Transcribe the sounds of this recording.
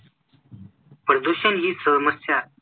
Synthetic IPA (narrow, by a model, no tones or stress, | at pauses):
pəɽd̪oɕənɦiːsəməsjaː